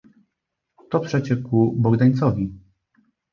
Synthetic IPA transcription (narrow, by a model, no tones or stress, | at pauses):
t̪ɔpʂɛt͡ɕɛkubɔɡd̪aɲt̪sɔvʲi